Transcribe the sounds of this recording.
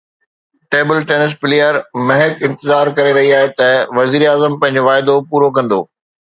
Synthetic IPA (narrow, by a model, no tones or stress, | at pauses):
ʈeːbɪlʈeːnɪs̬pɪleːjəɾmɐɦɪkɪ̃nt̪ɪzaːɾkɐɾeɾɐɦiaːɦet̪ɐʋɐziːɾaːzəmpɐ̃ɦɪ̃ɲ̆d͡ʑoʋaːɪd̪opuːɾokɐ̃nd̪o̰ː